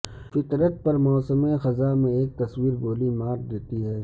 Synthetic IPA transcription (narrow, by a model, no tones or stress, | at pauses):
fɪt̪ɾət̪̚pɐɾmɔːsəmẽxɐzamẽeːk̚t̪ɐswiːɾboːlimaːɾd̪eːt̪iɦɛː